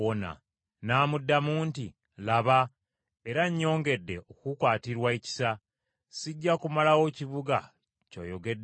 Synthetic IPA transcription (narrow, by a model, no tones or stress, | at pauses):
ona̰ | naːmudːamuːnti | laβa | e̞ɾaɲːo̞ːŋɡe̞dːe̞ʔokukwaːtiɾwaeci̥sa | siɟːakumalawo̞ciβuɡa̰ | co̰joɡe̞dː